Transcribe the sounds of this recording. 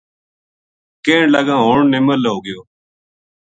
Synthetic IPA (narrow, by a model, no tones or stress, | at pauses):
keːɳləɡãːɦoːɳnɪməlɦoːɡɪjoː